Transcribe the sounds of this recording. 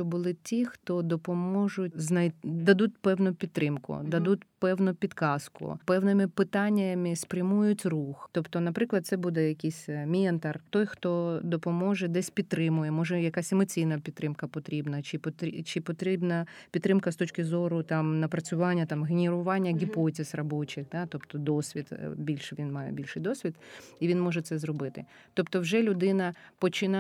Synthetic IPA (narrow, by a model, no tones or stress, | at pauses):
t͡ʃɔbʊlˠɪtʲixt̪ɔd̪ɔpɔmɔʒʊtʲznɐjd̪ɐd̪ut̚ʲpɛwnʊpʲit̪ːɾʔɪmkʊ̰d̪ɐd̪utʲpɛwnʊpʲid̪kɑskʊ̰pɛwnɪmɪpɪt̪ɑnʲːɪmɪspɾʲɐmujʊtʲruxt̪ɔpt̪ɔnɐpɾɪklˠɐd̪̚sɛbud̪ɛjɐkʲijsʲmʲiɛnt̪ɐrt̪ɔjxt̪ɔd̪ɔpɔmɔʒɛd̪ɛsʲpʲid̪̚t̪ːɾɪmʊjɛmɔʒɛjɐkasʲemɔt͡sʲijnɐpʲid̪ːɾɪmkɐpɔt̪ɾʲibnɐt͡ʃɪpɔt̪it͡ʃɪpɔt̪ɾʲɪbnɐpʲid̪ɾɪmkɐst̪ɔt͡ʃkʲɪzɔɾʊt̪ɑmnɐpɾɐt͡sʲʊʋɑnʲːɐt̪ɑmɣenʲeɾʊʋɑnʲːɐɡʲipɔtʲɪsrɔbot͡ʃɪxd̪ɑt̪ɔpt̪ɔd̪ɔsʲʋʲid̪bʲilʲʃʋʲinmɑjɛ̰bʲilʲʃɪjd̪ɔsʲʋʲid̪iʋʲinmɔʒɛt̪sɛzɾɔbɪt̪ɪ̰ | t̪ɔpt̪ɔwʒɛlʲʊd̪ɪnɐpɔt͡ʃɪnɑ